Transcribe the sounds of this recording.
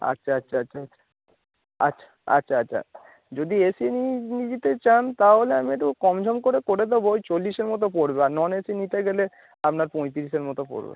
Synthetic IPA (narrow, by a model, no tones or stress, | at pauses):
a̰tːʃʰaatːʃʰaatːɕʰaatːʃʰḁ | a̰tːɕʰḁa̰tːɕʰaatːɕʰa̰ | d͡ʑod̪iesininid͡ʑit̪et͡ɕant̪aɦoleamieʈukɔmd͡ʑʱɔmkoɾekoɾed̪ebot͡ɕolːiʃeɾmɔt̪̬opoɽbeaɾnɔnesinit̪eɡele | apnaɾpõjt̪iɾiʃeɾmɔt̪opo̰ɾbḛ